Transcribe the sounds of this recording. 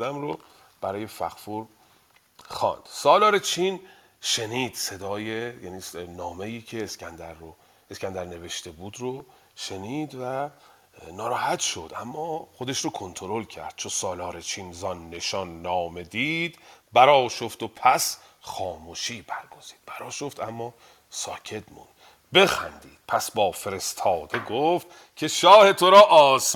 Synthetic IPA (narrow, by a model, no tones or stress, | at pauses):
d̪æmɾo | b̥æɾɒːje̞fæxfuɾ | xɒ̰ːnd̪̥sɒːlɒːɾet͡ʃʰin | ʃe̞niːd̪̥se̞d̪ɒːjejæniːsnɒːme̞jiːcʰe̞ːskænd̪æɾo | eskænd̪æɾne̞ve̞ʃt̪e̞buːd̪ɾo | ʃe̞niːd̪væ | nɒːɾɒːhæt̪ʃo̞d̪ʔæmːɒːχo̞d̪eʃɾokʰo̞nt̪ʰoɾo̞lcʰæ̰ɾd̪̥̚t͡ʃʰosɒːlɒːɾet͡ʃʰiːnzɒnːe̞ʃɒnːɒːme̞d̪iːd̪̥bæɾɒːʃo̞ft̪opʰæsχɒːmuʃiːbæɾɡ̥o̞z̥i̥ːd̪̚b̥æɾɒːʃo̞ft̪æmːɒː | sɒːcʰe̞t̪mṵnd̪̥ | be̞xæ̰nd̪iːd̪̥̚pʰæsbɒːfe̞ɾe̞st̪ʰɒːd̪̥e̞ɡoft̪ | cʰe̞ʃɒːhe̞t̪ʰoɾɒːʔɒːs